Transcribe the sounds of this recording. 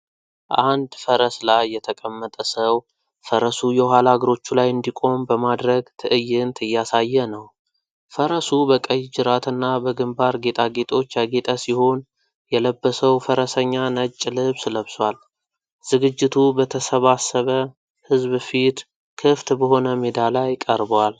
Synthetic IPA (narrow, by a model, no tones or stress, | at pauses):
ʔand̪fəɾəslajːɛt̪ʰəkʼəmːət̪ʼəsəw | fəɾəsujɛɦalaɡɾo̞t͡ʃːulajɨnd̪ikʼo̞mbəmad̪ɾəɡt̪ʰɨʔɨjːɪnt̪ʰɨjːasajːɛnəw | fəɾəsubəkʼəjd͡ʒɨɾat̪ʰɨnːabəɡɨmbaɾɡe̞t̪ʼaɡe̞t̪ʼo̞t͡ʃːjaɡe̞t̪ʼasiho̞n | jɛləbːəsəwfəɾəsəɲːanət͡ʃʼːlɨβsləβswal | z̥ɨɡɨd͡ʒːɪt̪ʰubət̪ʰəsəβasːəβə | hɨzbfit̪ | kʰɨft̪bəho̞nəmed̪alajkʼəɾbwal